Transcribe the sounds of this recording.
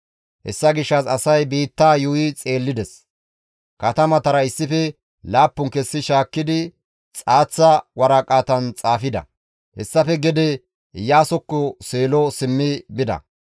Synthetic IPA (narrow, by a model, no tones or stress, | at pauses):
hɛ̰sːɐɡɪʃːɐsɐsɐjbiːt̪ːaːjujɪt͡sʼe̞ːlːɪd̪ɛs | kɐt̪ɐmɐt̪ɐɾɐɪsːɪfɛ | laːpːʊŋkɛsːɪʃaːkːɪd̪ɪ | t͡sʼaːt͡sːɐwɐɾaːkʼaːt̪ɐnt͡sʼaːfɪd̪ɐ̰ | hɛ̰sːɐfɛɡɛd̪ɛ | jaːsɔkːɔseːlɔsɪmːɪbɪd̪ɐ̰